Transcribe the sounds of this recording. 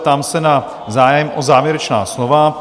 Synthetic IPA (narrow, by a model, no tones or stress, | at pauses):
t̪amsɛna | zaːjɛmʔozaːvjɛɾɛt͡ʃna̰ːslova